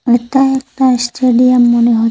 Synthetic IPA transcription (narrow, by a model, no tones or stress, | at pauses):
eʈaɛk̚ʈaesʈeɖiamːoneɦo